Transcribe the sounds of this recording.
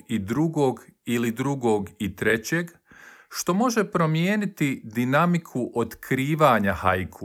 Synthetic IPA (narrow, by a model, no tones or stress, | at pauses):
id̪ɾuɡo̞ːɡilid̪ɾuɡo̞ːɡit̪ɾe̞t͡ɕe̞ɡ | ʃt̪o̞mo̞ʒe̞pɾo̞mjeːnit̪id̪inamikʰuʔot̪kʰɾiːʋaːɲahajkʰu